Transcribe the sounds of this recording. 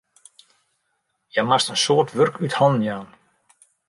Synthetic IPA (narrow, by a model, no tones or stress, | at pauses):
jɛmarst̪ɛnsɔːt̪vʏrkyːt̪halnmjan